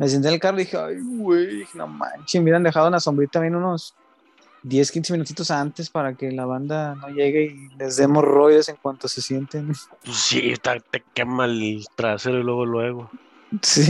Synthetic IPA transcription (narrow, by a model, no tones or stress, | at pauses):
mes̬jent̪elkaroðixeajwwejino̰ma̰nt͡ʃimeβjɾand̪exaðenlaso̞mbɾit̪amjenuno̞s | d̪je̞skinse̞mĩnut̪it̪o̞sant̪e̞spaɾake̞laβ̞and̪ano̞ʝe̞ɣeile̞zðe̞mo̞sro̞jðese̞ŋkwant̪o̞se̞sje̞nt̪enpusːiḛst̪at̪ekemat̪ɾaseɾoilweɣolweɣo | si